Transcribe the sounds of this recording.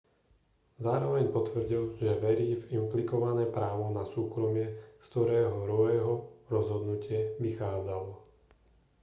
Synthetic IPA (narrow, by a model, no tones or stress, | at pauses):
zaːɾɔʋɛɲpɔt̪ʋr̩ɟilʒɛʋɛɾiːvimplikɔʋanɛːpɾaːʋɔnasuːkɾɔmɪɛst̪ɔɾɛːɦɔɾɔɛːɦɔɾɔzɦɔd̪nucɪɛʋixaːd͡zalɔ